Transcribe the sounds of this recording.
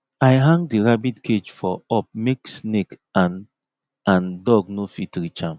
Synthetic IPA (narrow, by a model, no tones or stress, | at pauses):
ajɦãŋɡdiɹabidkʰed͡ʒfɔɔp̚meksnekan | ãndɔɡnofitɾit͡ʃãm